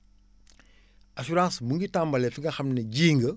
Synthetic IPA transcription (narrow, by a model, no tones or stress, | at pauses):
ʔasuɾãːsmuŋɡitãmbɐlɛfiŋɡɐxɐmnɐɟiːŋɡə